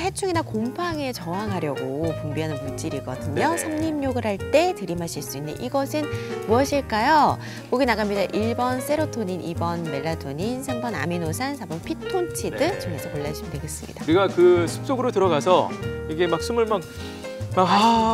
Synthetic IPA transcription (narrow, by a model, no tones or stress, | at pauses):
he̞t͡ɕʰuŋinakompʰaŋe̞t͡ɕʌɦaŋɦaɾjʌɡokombiɦanɯnput͡ɕ͈iɾiɡʌ̰dɯɲʌsʰʌŋɲimɲoɡɯɭhaɭt͈e̞tɯɾimaɕʰiɭs͈uinːɯ̰nʔiɡʌsʰɯnmuʌɕʰiɭk͈ajo | koɡinaɡamɲːidaʔiɭbʌns͈e̞ɾotʰoɲinʔibʌnme̞ɭːatʰoɲinsʰambʌna̰minosʰansʰabʌnpʰitʰont͡ɕʰidɯt͡ɕʌŋesʰʌkoɭːaiɕʰimɯntʰeɡe̞s͈ɯmɲḭd̥auiɡakɯsʰu̥p̚s͈oɡɯɾotɯɾʌɡasʰʌjʌɡemak̚s͈ʰumuɭmak̚ | maka